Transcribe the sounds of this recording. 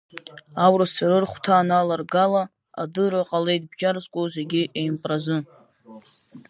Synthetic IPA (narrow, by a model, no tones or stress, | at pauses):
awrɨsarɨrχʷtʰaːnalarɡala | a̰dɨraqʼale̞jt̚ʼbd͡ʒarzkʷʼoze̞ɡʲɪʔejmpʼrazɨ